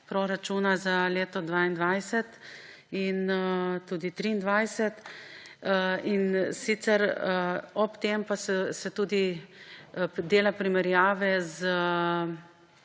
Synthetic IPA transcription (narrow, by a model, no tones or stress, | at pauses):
pɾoɾat͡ʃuːnazaleːt̪ɔd̪ʋaːind̪ʋajsɛt̪ | inət̪uːd̪it̪ɾiːnd̪ʋajsɛt̪ | insit̪sɛɾ | ɔpt̪eːmpasɛsɛt̪uːd̪i | d̪eːlapɾimɛɾjaːʋɛz